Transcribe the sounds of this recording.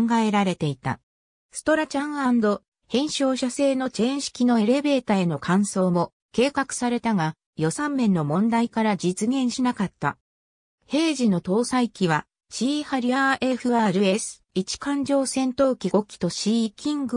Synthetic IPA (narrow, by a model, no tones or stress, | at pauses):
ŋɡae̞ɾaɾe̞t̪e̞it̪a̰ | sɨ̥t̪o̞ɾat͡ɕãɰ̃and̪o̞ | hẽ̞ɰ̃ɕo̞ːɕase̞ːno̞t͡ɕẽɰ̃ɕi̥kʲino̞e̞ɾe̞be̞ːt̪ae̞no̞kʰãɰ̃so̞ːmo̞ | ke̞ːkakɯ̟̥saɾe̞t̪aɡa | jo̞sãmːẽ̞nːo̞mõ̞nd̪aikaɾad͡ʑit͡sɨɡẽ̞ɰ̃ɕinakat̪ːa̰ | he̞ːʑino̞t̪o̞ːsaikʲiβa | ɕiːhaɾʲiaʔe̞ɸɯ̟aɾɯ̟e̞sɨ̥it͡ɕi̥kãɲ̟d͡ʑo̞ːsẽ̞nt̪o̞ːkʲiɡo̞kʲːi̥t̪o̞ɕiːkʲĩŋɡɯ